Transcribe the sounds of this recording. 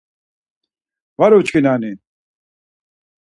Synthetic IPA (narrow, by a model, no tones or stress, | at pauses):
vaɾɔt͡ʃkʰinani